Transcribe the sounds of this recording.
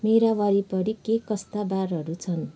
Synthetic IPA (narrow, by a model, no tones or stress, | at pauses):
meɾawaɾipʌɾikekʌst̪abarɦʌɾut͡sʰʌn